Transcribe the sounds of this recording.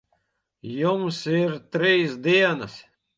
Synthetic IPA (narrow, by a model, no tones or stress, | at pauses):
jumsiɾt̪ɾiːsd̪iɛnas